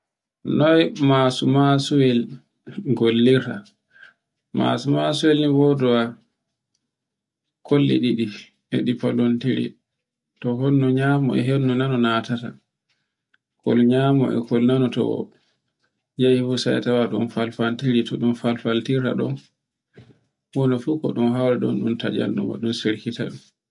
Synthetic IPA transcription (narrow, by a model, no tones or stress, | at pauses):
nɔjmasumasuwɛl | ɡolːiɾa | ma̰sumasuwɛlnibɔdɔwa | kʰolːḭɗiɗi | ɛɗipalontiɾḭ | tɔɦonːɔɲamɔɛ̰ɦenːunanɔnatata | kɔlɲamɔ̰ʔɛ̰kɔlnanɔtɔ̰ɔ̰ | d͡ʒajifusajatawaɗumfalfantiɾitɔɗumfalfaltiɾa̰ɗɔ̰n | hɔnɔfukɔ̰ɗumɦawɾaɗɔnɗumtad͡ʒa̰ndṵma̰ɗumsiɾkita̰ɗum